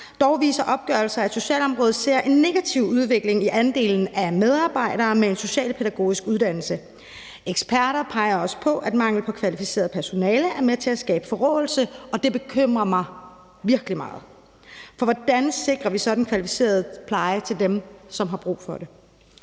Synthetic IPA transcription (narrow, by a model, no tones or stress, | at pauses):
d̥ɒʊʋḭːsɐʔɒ̽b̥̚ɡ̥ɶɐlsɐæ̥so̝ɕɛ̰ːlɒ̽mʁɔ̽ːð̩ˠse̝ɐ̰ʔe̝nːe̝ɡ̥æt͡sʰiʊuð̞ˠʋe̝ɡ̥le̝ŋiʔænd̥e̝̰ːln̩æmeð̞ˠɑ̈ːb̥ɑ̈ɪ̰ɾ̥ɐːmee̝nso̝ɕɛ̰ːlpʰeɾæɡ̥o̝̰ːisɡ̥uðˠd̥æn̰l̩sə | ʔeɡ̥spʰæɐɾɐpʰɑ̈ɪɐɒ̽sə̥pʰɒ̽ʔæd̥mɑ̈ŋ̰ləpʰɒ̽kʰʋælifise̝̰ːɐð̩ˠpʰæɐso̝nɛːləʔæɐmet͡sʰe̝æsɡ̥ɛ̰ːb̥əfɒ̽ʁɔ̰ːl̩səɒ̽d̥e̝b̥e̝kʰøm̰ʁɐmɑ̈ɪ | ʋiɐɡ̥limɑ̰̈ːð̞̩ˠ | fɒ̽ʋɒd̥ænse̝ɡ̥ʁɐʋisɒ̽d̥n̩kʰʋælifi̥se̝̰ːɐð̞ˠpʰlɑ̈ɪət͡sʰe̝ld̥emsɒ̽mɦɑ̈b̥ʁṵːfɒ̽d̥e̝